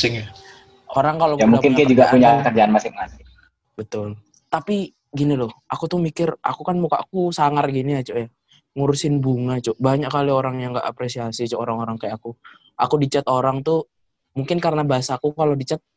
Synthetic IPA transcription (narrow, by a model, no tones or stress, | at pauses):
sɪŋa | oɾaŋkalokjamuŋkɪnɪnd͡ʒuɡapuɲakərd͡ʒaanmasɪŋmasɪ | bət̪ʊl | t̪api | ɡinilʊhakut̪ʊhmikɪrʔa̰kukanmukaʔakusaŋarɡiniat͡ʃoja | ŋuɾusɪnbuŋat͡ʃɔbaɲakːalioɾaŋjaŋɡaʔa̰pɾesiasiat͡ʃooɾaŋoɾaŋkajaaku | ʔa̰kudit͡ʃat̪oɾaŋt̪u | muŋkɪnkaɾənabaɦasaːkukalodit͡ʃat̪̚